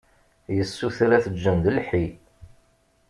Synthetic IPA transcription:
jəsːuθɾæθəd͡ʒːənd̪əlħi

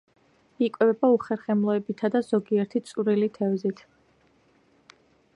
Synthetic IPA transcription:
ikʼwɛvɛbauχɛɾχɛmlˠɔɛbit̪ʰad̪azɔɡiɛɾt̪ʰit̪sʼuɾilit̪ʰɛvzit̪ʰ

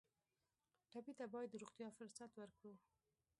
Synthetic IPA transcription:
ʈabit̪abɑjad̪ːəɾoɣt̪ijɑfʊɾsat̪wəɾkɽu

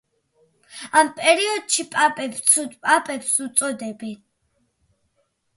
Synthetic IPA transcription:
ampʼɛɾiɔd̪̚ʃipʼapʼɛb̪sʰupʼapʼɛpsut̪sʼɔd̪ɛbɛn

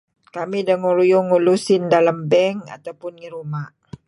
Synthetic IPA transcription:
kamidaŋuɾujʊŋːulusɪndalambɛŋa̰t̪awpʊnŋiɾumaʔ

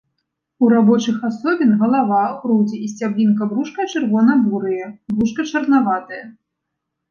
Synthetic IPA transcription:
uɾabɔt͡ʂɨxasɔbʲinɣɐlˠavaɣɾud͡zʲiisʲt͡sʲablʲinkɐbɾuʂkɐt͡ʂɨrvɔnɐbuɾɨjɐbɾuʂkɐt͡ʂɐrnavat̪ɐjɐ

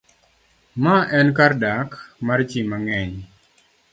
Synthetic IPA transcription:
maʔɛnkardakmart͡ʃimaŋɛɲ

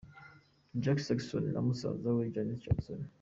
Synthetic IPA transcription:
d͡ʒaksɐksonnʔa̰musa̰zawed͡ʒanist͡ʃɐksun

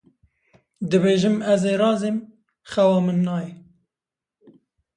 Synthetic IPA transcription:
d̪ɨbeːʒɨmæzeːɾɑːzem | xɛwɑːmɨnːɑːjɛ

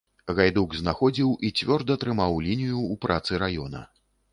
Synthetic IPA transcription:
ɣajd̪uɡznaxɔd͡zʲiwʔit͡sʲvʲɔrd̪ɐt̪ɾɨmawlʲinʲijuːpɾʔat̪sɨɾajɔnɐ̰

